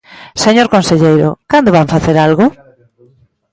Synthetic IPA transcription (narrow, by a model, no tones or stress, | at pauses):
seɲoɾkõnseʎejɾʊ̰kand̪oβaɱfaθeɾalɣʊ